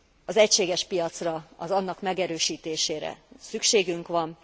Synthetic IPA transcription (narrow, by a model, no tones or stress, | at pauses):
ɒzɛcʃeːɡɛʃpijɒt̪srɒɒzɒnːɒkmɛɡɛɾøːʃiːt̪eːʃeːɾɛ̰sykʃeːɡyŋkʋɒn